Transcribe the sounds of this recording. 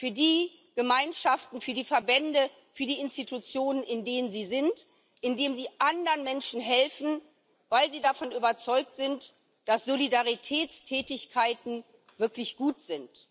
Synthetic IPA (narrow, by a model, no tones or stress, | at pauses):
fyːɐdiː | ɡ̥əmaɪnʃaftn̩fyːɐdiːfɛɐbɛndə | fyːɐdiːɪnstitut͡sjoːnənɪndeːnənziːzɪnt | ʔɪndeːmziːʔandəʁənmɛnʃn̩ɦɛlfn̩ | vaɪlziːdafɔnyːbɐt͡sɔʏk̚tz̥ɪnt | d̥asz̥olidaʁitʰɛːtt͡stʰɛːtɪçkʰaɪtn̩ | vɪɐklɪçɡ̥uːtz̥ɪnt